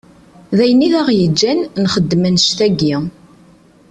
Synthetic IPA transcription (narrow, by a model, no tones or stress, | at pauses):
ðæjəniðæʁjəd͡ʒːænnχəd̪ːmənʃt̪æɡi